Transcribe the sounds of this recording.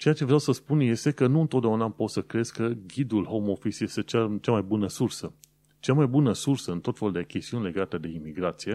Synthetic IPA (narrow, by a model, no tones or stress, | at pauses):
t͡ʃe̞jat͡ʃe̞vɾʲawsəspunje̞st̪e̞kənuɨnt̪ot̪d̪ʲeaunapo̞t̪səkɾezkəɡʲid̪ulɦo̞mo̞fisje̞st̪e̞t͡ʃat͡ʃamajbunəsursə | t͡ʃamajbunəsursəɨnt̪o̞t̪fe̞luld̪e̞kʲe̞st̪iunʲle̞ɡat̪ed̪e̞imiɡɾat̪sije̞